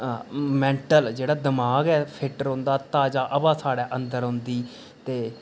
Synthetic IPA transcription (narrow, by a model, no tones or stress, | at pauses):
mɛ̃ːɳʈəld͡ʒeːɽaːd̪ɪmaːɡɛːpʰɪʈəɾõːnd̪aːt̪aːd͡ʒaːʔəbãːsaːɽɛːʔənd̪əɾɦʊ̃nd̪iː | t̪eː